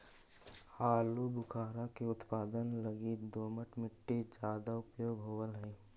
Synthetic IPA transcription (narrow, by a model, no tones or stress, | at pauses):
haːlubʊkʰaːɾakeʊt̪paːd̪ənləɡid̪oːməʈmɪʈːed͡ʒjaːd̪aʊpjoːɡɦoːwəlɦɛ̃ː